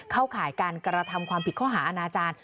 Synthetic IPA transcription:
kʰaː˥˩wkʰaː˨˩˦jkaː˧nkɾa˧t̪ʰa˧mkʰwaː˧mpʰi˨˩kʰɔː˥˩ɦaː˩˦ʔa˧naː˧t͡ɕaː˧n

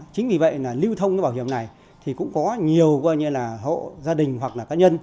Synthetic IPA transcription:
t͡ɕï˨˦ŋ̟vi˨˩və̰˧˨jlaː˨˩li˧wt̪ʰə˧wŋ͡mkːɓaː˧˩whi˧˩əmna˨˩j | t̪ʰi˨˩kʊ̰˧˥ŋ͡mkɔ˨˦ɲi˨˩əwkwaː˧jɲɨ˧laː˨˩ɦo̰˧˨zaː˧ɗï˨˩ŋ̟ɦwa˨˩k̚laː˨˩kaː˨˦ɲə˧n

